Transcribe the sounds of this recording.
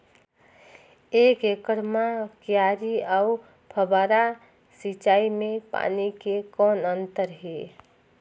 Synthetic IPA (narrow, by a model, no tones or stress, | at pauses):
eːkekəɾmakjaːɾiaːʊ | pʰəbaːɾa | sit͡ʃaːimẽpa̰ːnikekɔːnə̃nt̪əɾɦeː